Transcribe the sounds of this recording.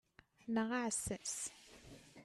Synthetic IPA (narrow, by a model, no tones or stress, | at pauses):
nəʁaʕsːæs